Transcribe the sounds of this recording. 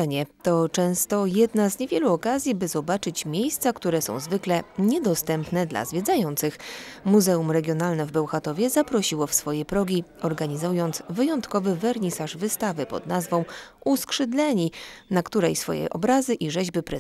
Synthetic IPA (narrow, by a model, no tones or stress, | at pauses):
ɲɛt̪ɔt͡ʂɛ̃w̃st̪ɔjɛd̪nazɲevʲjɛluɔkazʲjibɘzɔbat͡ʂɘt͡ɕmʲjejst̪sakt̪uɾɛsɔ̰̃w̃zvɘklɛɲɛd̪ɔst̪ɛmpnɛd̪la̰zvʲjɛd̪zajɔnt̪sɘxmuzɛumɾɛɡʲjɔnalnɛvbɛwxat̪ɔvʲjɛzapɾɔɕiwɔfsfɔjɛpɾɔɡʲiɔɾɡaɲizjɔnt̪svɘjɔnt̪kɔvɘvɛɾɲisaʐvɘst̪avɘpɔ̰d̪nazvɔ̃w̃uskʂɘd̪lɛɲinakt̪uɾɛjsfɔ̰jɛ̰ʔɔ̰bɾazɘʔiʐɛʑbɘpɾɛ